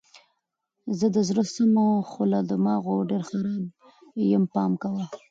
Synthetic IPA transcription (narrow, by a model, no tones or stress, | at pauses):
zəd̪əzɾəsəmoxolad̪əmɑɣoɖeɾxaɾɑb̚ | jəmpɑmkawa